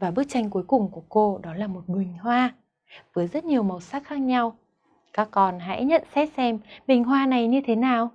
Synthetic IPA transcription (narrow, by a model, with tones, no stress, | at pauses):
vaː˨˩ɓɨ˦˥ək̚t͡ɕa˧jŋ̟ku˨˦jkʊ˨˩ŋ͡mku˧˩əko˧ɗɔ˨˦laː˨˩mo˨˩t̚ɗwï˨˩ŋ̟ɦwaː˧ | vəː˨˦jzə˦˥t̚ɲi˨˩əwmə˨˩wsaː˦˥k̚xaː˦˥k̚ɲa˧w | kaː˦˥kːɔ˨˩nɦa̰ː˧˥jɲə̰˧˨nsɛ˦˥t̚sɛ˧mɓï˨˩ŋ̟ɦwaː˧na˨˩jɲɨ˧t̪ʰe˨˦naː˨˩w